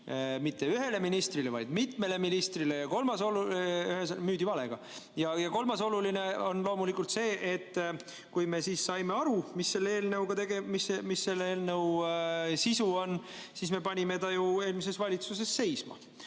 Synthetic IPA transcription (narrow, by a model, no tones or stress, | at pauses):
mit̪ːe̞yɦe̞le̞minist̪rilevɑjd̪mit̪me̞le̞minist̪rile̞jɑko̞lmɑsoluyɦesmyːd̪ivɑle̞ɡ̥ɑ̰ | jɑjɑko̞lmɑso̞luline̞o̞nlo̞ːmulikːˑult̪se̞ːʔet̪ː | kujme̞siːssɑjme̞ɑɾumisːe̞lːeeːlneuwɡ̥ɑt̪e̞ɡemisemisːe̞lːeeːlnew | sisuo̞n | sisme̞pɑnʲime̞t̪ɑjue̞ːlmis̬e̞svɑlʲit̪sus̬e̞sːe̞jsmɑ̰